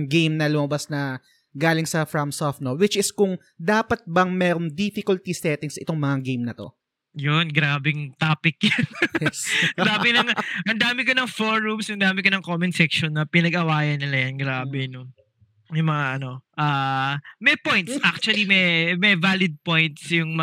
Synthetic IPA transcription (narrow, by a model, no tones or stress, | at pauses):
ɡejmnɐlʊmɐbasnɐ | ɡaːlɪŋsɐfɹɐmsofnowɪt͡ʃɪskʊŋ | d̪aːpɐt̪̚bɐŋmɛːɾoŋd̪ifɪkʊlt̪isɛt̪ɪŋsʔɪt̪oŋmɐŋaɡejmnɐt̪o̞̰ | jonɡɾaːbɪŋt̪aːpɪk̚jɐn | ɐŋd̪aːmɪlɐŋɐnd̪aːmɪkɐnɐŋfoɹumshɐŋd̪aːmɪkɐnɐŋkomɪnsɛkʃonːɐpɪnɐɡɐwaːjɐnːɪlɐjɐnɡɾaːbɛno | jʊŋmɐŋaʔɐno̞ʔaːmɛpojnt̪̚sʔak̚t͡ʃuɐlimɛmɛjvaːlɪd̪̚pojnt̪̚sjʊŋmɐ